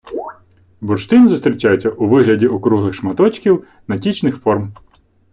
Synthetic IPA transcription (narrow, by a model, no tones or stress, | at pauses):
bʊrʃt̪ɪnzʊst̪ʲɾʲit͡ʃajet͡sʲːɐʔuʋɪɦlʲɐdʲiɔkɾuɦlˠɪxʃmɐt̪ɔt͡ʃkʲiw | nɐtʲit͡ʃnɪxfɔrm